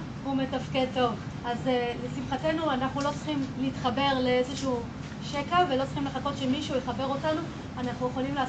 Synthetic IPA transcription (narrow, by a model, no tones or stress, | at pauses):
hume̞tafke̞d̚to̞v | azlesimχate̞nuanaχnulo̞t͡sχimliːtχabe̞ʁleezeʃuː | ʃekafvelo̞t͡sl̥χimleχako̞tʃemiʃuujeχabe̞ʁo̞tanu | anaχnuje̞χolimleː